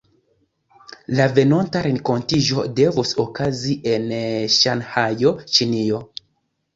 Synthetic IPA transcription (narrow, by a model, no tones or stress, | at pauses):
lave̞no̞ntaɾeŋko̞ntiʒo̞̰de̞vusokaziʔe̞nʃanhajo̞t͡ʃinio